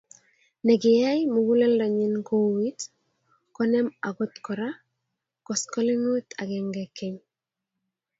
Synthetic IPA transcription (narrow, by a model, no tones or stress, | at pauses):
neɡijajmuɡulɛldaɲinkowit | kɔnɛmaɡɔt̪kɔɾa | kɔskɔliŋot̪ʰaɡɛŋɡɛkːeɲ